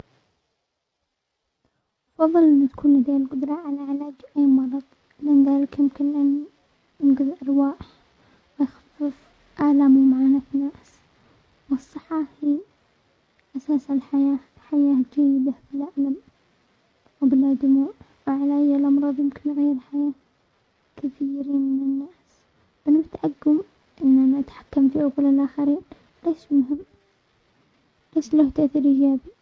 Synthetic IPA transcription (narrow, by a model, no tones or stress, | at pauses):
ʔɑfɑðˤːɨlʔɪnːat̪ḁkʰuːnad̪eːlqʊd̪ɾˤɑʕalaʕɪlaːd͡ʒʔaːmɑɾˤɑðˤ | lɪnðaːlɪkjɪmkɪnlani | ɪnɡɪðʔɑɾwaːħ | wɪjxḁfːɪf | ʔaːlaːmimaʕaːnafnaːs | wɨsˤːɨħːɑhiː | ʔasaːsalħajaː | ħajaːd͡ʒajːɪd̪abɪlʔaʕlam | wbɪlʔaːd̪ʊmuːn | wɪʕalajːalʔɑmɾˤɑːðˤjɪmkɪnːaɣajːɪɾlħajaː | kɪθiːɾiːnmɪnɪnːaːs | b̥ɪnat̪ʕaɡːʊm | ʔɪnːʔanaʔat̪ħḁkːamfiːhakʊlːɪlʔaːxaɾiːn | leːʃmʊɦɪmː | leːʃlaht̪aʔθiɾʔɪd͡ʒaːbi